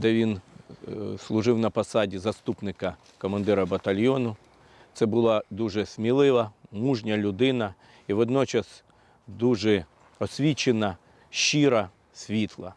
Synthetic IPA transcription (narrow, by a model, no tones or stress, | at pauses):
d̪ɛʋʲin | slˠʊʒɪwnɐpɐsɑdʲizɐst̪upnɪkɐ | kɔmɐnd̪ɪɾɐbɐt̪ɐlʲjɔnʊ | t̪sɛbʊlˠɑd̪uʒɛsʲmʲilˠɪʋɐmuʒnʲɐlʲʊd̪ɪnɐ | iʋɔd̪nɔt͡ʃɐs | d̪uʒɛ | ɔsʲʋʲit͡ʃenɐ | ʃiɾɐ | sʲʋʲit̪ʰlˠɐ̰